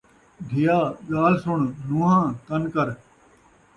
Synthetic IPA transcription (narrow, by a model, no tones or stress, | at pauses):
dʱɪjaːɡaːlsʊɳnũːɦãːt̪ənkəɾ